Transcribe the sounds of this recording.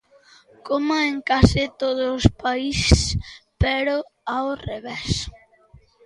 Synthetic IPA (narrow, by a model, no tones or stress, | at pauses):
komaeŋkasɪt̪oðʊːspaisespɛɾʊawreβes